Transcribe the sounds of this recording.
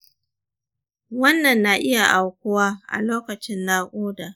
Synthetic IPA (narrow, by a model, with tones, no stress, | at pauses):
wɐ˦nːɐ˨nːa˨ʔɪ˦ja˨ʔa˨wkʷʊ˦waː˦ʔa̰˨loː˦kɐ˨t͡ʃɪ˦nːaː˦kʷʼoː˦da˨